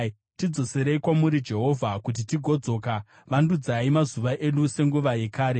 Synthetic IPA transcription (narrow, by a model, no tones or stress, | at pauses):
tid͡zo̞seɾe̞ikwamuɾid͡ʒe̞ɦo̞vʱakut̬itiɡʱo̞d͡zo̞ːka | ʋandud͡zaimazuʋaʔe̞ɗuse̞ŋɡuʋaje̞kaːɾe̞